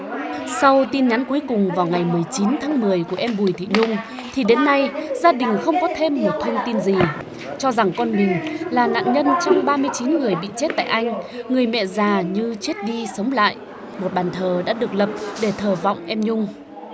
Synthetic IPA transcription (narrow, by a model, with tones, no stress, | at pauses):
sa˧wt̪i˧nɲa˨˦nku˨˦jkʊ˨˩ŋ͡mvaː˨˩wŋa˨˩jmɨ˨˩əjt͡ɕi˨˦nt̪ʰaː˨˦ŋmɨ˨˩əjku˧˩əʔɛ˧mɓu˨˩jt̪ʰḭ˧˨ɲʊ˧ŋ͡m | t̪ʰi˨˩ɗe˨˦nːa˧jzaː˧ɗï˨˩ŋ̟xə˧wŋ͡mkɔ˨˦t̪ʰe˧mːo˨˩t̚t̪ʰə˧wŋ͡mt̪i˧nzi˨˩ | t͡ɕɔ˧za˨˩ŋkɔ˧nmï˨˩ŋ̟laː˨˩na̰ː˧˨nɲə˧nt͡ɕɔ˧wŋ͡mɓaː˧mɨ˧əjt͡ɕi˨˦nŋɨ˨˩əjɓḭ˧˨t͡ɕe˦˥t̚t̪a̰ː˧˨jʔa˧jŋ̟ŋɨ˨˩əjmɛ̰˧˨zaː˨˩ɲɨ˧t͡ɕe˦˥t̚ɗi˧sə˨˦wŋ͡mla̰ː˧˨j | mo˨˩t̚ɓaː˨˩nt̪ʰəː˨˩ɗa̰ː˧˥ɗɨ˨˩ək̚lə˨˩p̚ɗe˧˩t̪ʰəː˨˩vɔ̰˧˨wŋ͡mʔɛ˧mɲʊ˧ŋ͡m